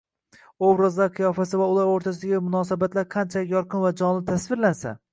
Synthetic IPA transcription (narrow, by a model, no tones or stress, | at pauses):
owɾazlaɾqʰɨjɒfasɪvaʊlˠaɾoɾt̪ʰasɪd̪aɡʲɪmʊnɒsabat̪laɾqʰɑnt͡ʃʰalɪkʲjɒɾqʰɨnvad͡ʒɒnlɪt̪ʰasvɪɾlansa̰